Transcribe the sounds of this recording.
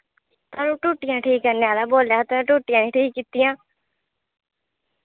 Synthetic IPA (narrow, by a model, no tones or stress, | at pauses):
t̪aːnũːʈuːʈɪjãːʈʰiːkːəɾneaːlaːboːljaːt̪õʈuːʈɪjãːnẽːʈʰiːkːiːt̪ijãː